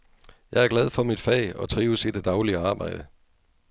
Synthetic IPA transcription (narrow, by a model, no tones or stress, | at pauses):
jɑ̈ɪæɐɡ̥læð̞ˠfɒ̽mid̥fɛ̰ːɒ̽t͡sʰʁiːʊəsid̥d̥ɑ̈ʊliəɑ̈ːb̥ɑ̈ɪd̥ə